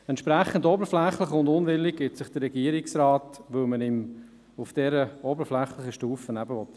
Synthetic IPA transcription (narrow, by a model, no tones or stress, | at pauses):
ɛntʃpɾæχːən̩dɔbəɾflɛχlɪχʊndʊnʋɪlːik̚ɡ̥ɪtsɪχd̥əɾːɛɡiəɾiksɾɑːtʋɵlmənɪm | ufd̥ɛɾəɔbəɾflɛχlɪχəʃtuːfənæbəʋɔt̪